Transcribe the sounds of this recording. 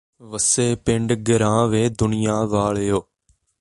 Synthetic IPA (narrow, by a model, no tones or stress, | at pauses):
ʋəseːpɪɳɖɡəɾãːʋeːd̪ʊnɪjaːʋaːɭjoː